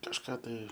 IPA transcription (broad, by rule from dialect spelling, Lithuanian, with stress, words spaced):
kɐʃˈkɑː tɐɪ